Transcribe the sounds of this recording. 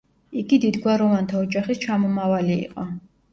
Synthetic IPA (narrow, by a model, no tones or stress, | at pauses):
iɡid̪id̪ɡwaɾɔvant̪ʰaɔd͡ʒaχist͡ʃʰamɔmavaliḭqʼɔ